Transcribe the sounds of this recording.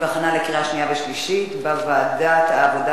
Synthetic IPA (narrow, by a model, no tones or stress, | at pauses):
baχanalekiʁaʃnijaveʃliʃit̪bavaːd̪at̪aːvod̪a